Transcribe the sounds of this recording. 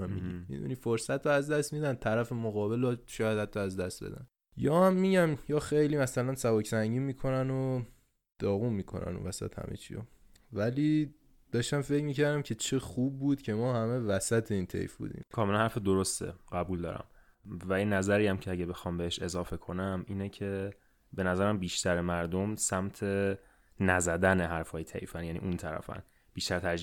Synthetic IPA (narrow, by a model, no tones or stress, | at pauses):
omḭɟḭmḭd̪ṵniːfoɾsæt̪ɾoæzd̪æst̪miːd̪ænt̪ʰæɾæfemoɣɒːbe̞lɒʃɒhd̪hæt̪ʰːɒæzd̪æst̪̚bed̪æ̰n | jɒːhæmːiɟæmjɒːxejliːmæsælænsæbɒːcʰsæɲɟiːmiːkʰo̞næno | d̪̥ɒːɣunmiːkʰo̞̰næ̰nṵnvæsæ̰t̪hæ̰mʔḛt͡ʃʰḭjo̰ | væliː | d̪̥ɒːʃt̪æmfecmiːcʰæɾd̪æmcʰe̞t͡ʃʰe̞xub̚ːuːd̪̥cʰe̞mɒːhæme̞væsæt̪ʰeiːnt̪ʰḛjfbṵːd̪ḭːmkʰɒːmelænhæɾfed̪oɾo̞st̪ḛɢæbuːld̪ɒ̰ːɾæ̰m | væinæzæɾijæmcʰeæɟæbe̞xɒːmbeheʃe̞zɒːfe̞kʰo̞næmiːnecʰe̞ | be̞næzæɾæmbiːʃt̪æɾemæɾd̪omsæmt̪ʰe̞ | næzæd̪æneɦæɾfɒːjet̪ʰḛjfænjænḭːʔunt̪ʰæɾæ̰fæ̰n | b̥iːʃt̪æɾt̪ʰæd͡ʒ